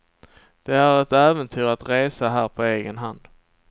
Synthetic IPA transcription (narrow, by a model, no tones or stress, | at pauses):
d̪̥ɛæɾɛt̪ɛːvənt̪ʰyːɾat̪ɾeːsaɦæːɾpʰɔeːɡənɦand̪